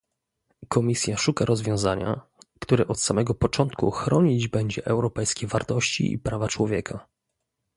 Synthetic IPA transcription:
kɔmʲisʲjaʂukaɾɔzvʲjɔ̃w̃zaɲa̰ | kt̪uɾɛʔɔt̪samɛɡɔpɔt͡ʂɔnt̪kṵxɾɔɲid͡ʑbɛɲd͡ʑɛʔɛwɾɔpɛjskʲɛvaɾt̪ɔɕt͡ɕḭʔḭpɾavat͡ʂwɔvʲjɛkʰa

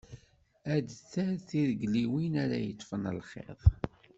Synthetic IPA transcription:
æd̪θæɾθiðəɡliwinæɾæ̰jət̪ˤːfənə̰lχḛðˤ

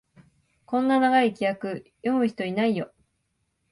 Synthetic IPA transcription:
kõ̞nːanaɡaikʲijakɯ̟jo̞mɯ̟çi̥t̪o̞inaijo̞

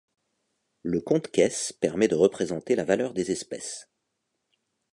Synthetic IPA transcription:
ləkɔ̃t̪kʲɛspɛʁmɛd̪əʁəpχezɑ̃t̪elavalœʁd̪ezɛspɛs

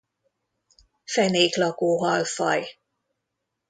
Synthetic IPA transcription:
fɛneːklɒkoːɦɒlfɒj

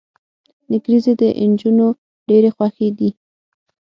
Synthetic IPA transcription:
nɪɡɾized̪əʔɪnd͡ʒuno | ɖeɾexwaxed̪i

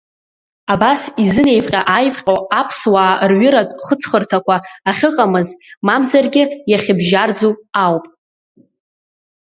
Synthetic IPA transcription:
abasizɨne̞jvqʲʼaʔajvqʲʼoapʰswaːrɥʏɾatʼχət͡sʰχərtʰakʷaːχʲɨqʼamɨzmamd͡zarɡʲɪjaχʲɪbʒard͡zuawpʼ

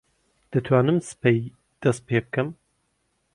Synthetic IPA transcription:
d̪̥ɐt̪ʰwaːnɨmsɨ̥pʰej | d̪̥ɐst̪̚pʰeːbɨkʰɨm

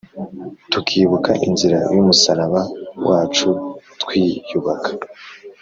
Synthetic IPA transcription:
tukʰiːβukʰaʔinziɾajumusaɾaβawʔaːt͡ʃutwiːjuβakʰḁ

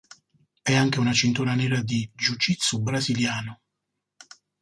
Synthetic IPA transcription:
ɛaŋk̟eunat͡ʃint̪unanɛːɾad̪id͡ʒut͡ʃit̪sːubɾaziljaːnʊ

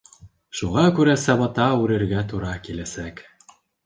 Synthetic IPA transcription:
ʃuʁɑkʉɾæsɑβɤ̆t̪ɑʉɾɘ̆ɾɡæt̪uɾɑkilæsæk

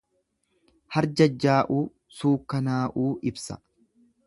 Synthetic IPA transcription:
hɐɾd͡ʒɐd͡ʒːaːʔuː | suːkːɐnaːʔuːʔɪbsɐ̥̰

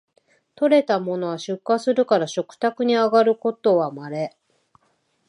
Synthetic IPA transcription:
t̪o̞ɾe̞t̪amo̞no̞βaɕɨkːasɨɾɯ̟kaɾaɕo̞kɯ̟̥t̪akɯ̟ɲ̟iaɡaɾɯ̟ko̞t̪o̞βamaɾe̞

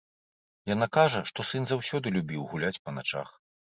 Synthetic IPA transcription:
janakaʐɐʂt̪ɔsɨnzawsʲɔd̪ɨlʲubʲiwɣulʲat͡sʲpɐnat͡ʂa̰x

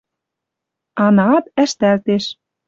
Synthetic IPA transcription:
ɑnɑɑt̪æʃt̪ælt̪eʃ

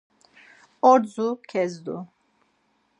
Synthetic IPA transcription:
ɔɾzukʰɛzd̪u

